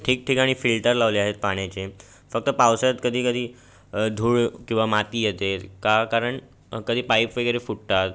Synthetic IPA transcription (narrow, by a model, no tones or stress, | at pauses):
ʈʰiːk̚ʈʰikaɽ̃iːfilʈəɾlaʋliaɦet̪̚paɽ̃jat͡ɕe | fək̚t̪əpawsat̪kəd̪ʱiːkəd̪ʱiː | d̪ʱuːɭkĩw̃ʋamat̪iːjet̪eɾkakaɾəɳ | kəd̪ʱiːpaipʋeɡəɾefuʈt̪at̪